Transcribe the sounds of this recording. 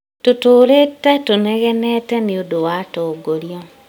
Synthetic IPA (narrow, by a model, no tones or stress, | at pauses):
totoːɾetatonɛɣɛnɛtɛneodowatoɡoɾjɔ